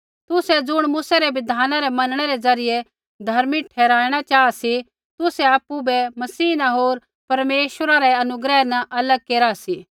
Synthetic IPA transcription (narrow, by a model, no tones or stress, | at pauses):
t̪ʊsɛd͡zʊɽ̃mʊsɛɾɛʋɪd̪ʱaːnaɾɛmɐnəɽ̃ɛɾɛd͡zɐɾɪje | d̪ʱɐɾmiʈʰɛːɾaːɪɽ̃at͡ʃaːasi | t̪ʊsɛaːpːubɛmɐsiːnaɦoːɾ | pɐɾmeːʃwəɾaɾɛɐnʊɡɾɛːnɐʔɐləɡ̚keːɾasiː